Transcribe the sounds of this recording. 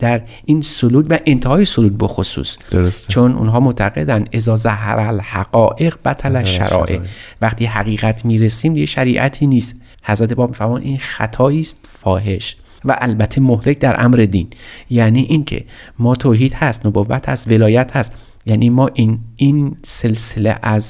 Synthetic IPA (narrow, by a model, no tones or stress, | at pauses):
d̪̥æɾ | iːnsoluːd̪væʔent̪ʰehɒːjesoluːd̪̚bexosṵːsd̥̪oɾst͡ʃʰonṵnɦɒːmot̪ʰæɡe̞d̪ænd̪ʔe̞zɒːzæɦɾælhæɡ̥ɒːʔeɣbæt̪ʰælæʃʃːæ̰ɾʔɒ̰ːʔḛvæχt̪ʰiːɦæɣiːɣæt̪ʰmiːɾesiːmijeʃæɾiːʔæt̪ʰiːniːst̪ | hæzɾæt̪ʰebɒːb̚miːfæɾmɑːd̪inxæ̰t̪ʰɒːiːst̪fɒːɦe̞ʃ | væ̰ʔælbæt̪ʰːe̞mohlek̚d̪æɾʔæ̰mɾe̞d̪iːnjæːniːʔincʰḛmɒːt̪ʰoːɦiːd̪̥hæst̪nobovːæ̰t̪ʰhæ̰st̪ve̞lɒːjæt̪hæst̪ | jæːnʔiːmɒːʔininse̞lselḛʔæz